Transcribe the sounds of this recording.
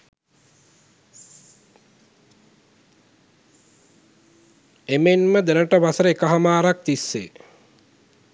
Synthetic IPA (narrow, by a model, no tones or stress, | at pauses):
emenməd̪enəʈəʋasəɾəekəɦamaːɾak̚t̪isːḛː